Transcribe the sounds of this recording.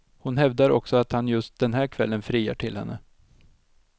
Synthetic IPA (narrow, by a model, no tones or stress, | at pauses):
hʊnɦɛvd̪aɾʔɔ̰ksɔat̪hanjɵst̪̚d̪ɛnɦæːɾkʰvɛlːənfɾiːa̰ʈʰɪlhɛ̰nːə